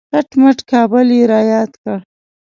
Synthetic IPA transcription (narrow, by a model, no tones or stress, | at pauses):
ɣaʈmaʈkɑbəljeɾɑːjɑd̪kəɽ